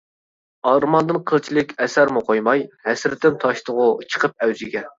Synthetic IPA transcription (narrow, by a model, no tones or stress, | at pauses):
ɑɾmɑnd̪ɨnqʰəlˠt͡ʃʰilˠɪkʲɛsæɾmuqʰojmɑjhɛsɾɪt̪ɪmt̪ʰɑʃt̪ʰʊʁʊt͡ʃʰə̥qʰəp̚ɛwzɪɡʲɛ